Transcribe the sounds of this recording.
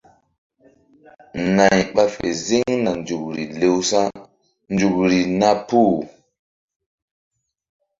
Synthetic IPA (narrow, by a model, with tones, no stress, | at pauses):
na˨jɓa˦fḛ˨zi˦ŋna˨nd͡ʒu˨k̚ɾi˨le˨wsa˦ | nd͡ʒu˨kɾi˨na˦pu˦˨